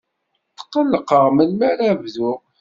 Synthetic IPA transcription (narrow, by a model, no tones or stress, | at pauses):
t̪ːə̥qːəlːəqəʁməlmæɾævðʊ